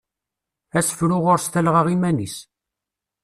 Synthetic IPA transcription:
æsfɾʊʁʊɾst̪ælʁəʁimænis

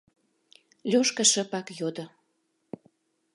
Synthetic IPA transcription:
lʲoʃkə̆ʃə̆pɑkjod̪o

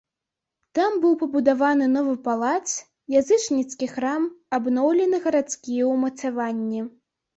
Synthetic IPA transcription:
t̪ambɨwpɐbud̪avanɨnɔvɨpalˠat̪s | jazɨt͡ʂnʲit̪skʲixɾamabnɔwlʲɛnɨɣɐɾat̪skʲijɛwmɐt̪savanʲːi

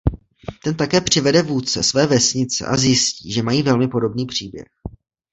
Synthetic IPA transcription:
t̪ɛnt̪akɛːpr̝̥ɪvɛdɛvuːtt͡sɛ̰svɛːvɛsɲɪt͡sɛ̰ʔa̰zjɪsciːʒɛmajiːvɛlmɪpo̞do̞bniːpr̝̥iːbjɛ̰x

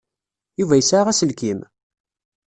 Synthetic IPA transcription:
juvæjəsʕʁæsəlkim

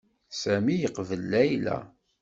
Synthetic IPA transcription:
sæmijəqvəlːæjlæ̰

